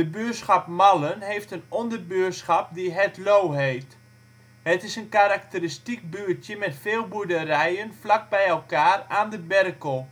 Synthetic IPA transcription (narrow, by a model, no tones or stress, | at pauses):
dəbøəsxapmalənɦeːftənɔndərbøətsχap̚diɦɛtlowɦeːft | hətɪsənkaɾak̚təristik̚byːətjəmɛtfeːlˠbuədərɛjənflak̚bɛjɛlˠkaːraːndəbɛrkəlˠ